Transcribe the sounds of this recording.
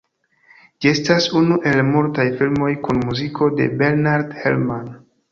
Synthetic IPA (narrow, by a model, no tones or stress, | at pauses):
d͡ʒie̞stasunuʔe̞lmultajfilmo̞jkunmuzikʰode̞̰be̞ɾnaɾdhḛlman